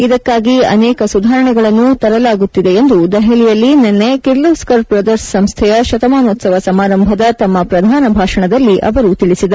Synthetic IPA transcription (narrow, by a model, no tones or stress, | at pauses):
id̪ɐkːaːɡiɐ̰nɛːkɐsud̪ʱaːɾɐɳɛɡɐɭɐnːut̪ɐɾɐlaːɡut̪ːid̪e̞end̪ud̪ɐɦɛlijɐlːinenːekiɾloːskɐɾpɾɐd̪ɐɾssɐmst̪ʰɛjɐʃɐt̪ɐmaːnoːt̪sɐʋɐsɐmaːɾɐmbʱɐd̪ɐt̪ɐmːɐpɾɐd̪ʱaːnɐbʱaːʂɐɳɐd̪ɐlːiʔɐ̰ʋɐɾut̪iɭisid̪ɐ